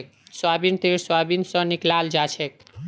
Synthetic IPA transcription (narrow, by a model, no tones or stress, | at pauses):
k̚ | swabint̪eɾswabinsʌ̃niklald͡ʒat͡ʃʰek